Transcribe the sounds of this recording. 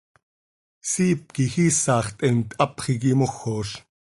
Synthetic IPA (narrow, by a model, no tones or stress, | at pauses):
siːp̚kixiːsɑːχt̪ʼʔɛmt̪ʔɑpχik̬imoxːoːɬ